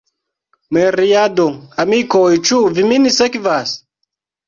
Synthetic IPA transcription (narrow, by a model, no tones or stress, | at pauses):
mɛrijadoŋamikɔit͡ʃuviminisɛkivas